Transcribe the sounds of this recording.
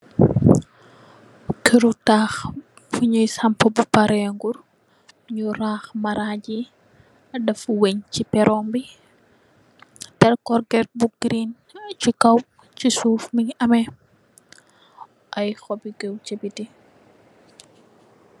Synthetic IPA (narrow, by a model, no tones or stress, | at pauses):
kʰiɾutaːx | fuɲujsɐmpɐbupɐɾɛŋɡuɾ | ɲuɾaːxmɐɾaɟi | ɐdɐfweɲcipɛɾʔɔːmbi | tɛrkɔɾɡɛrbuɡɾin | cikɐw | cisuːfmiɲɐmɛ | ʔɐjxɔbiɡɛwcɐbiti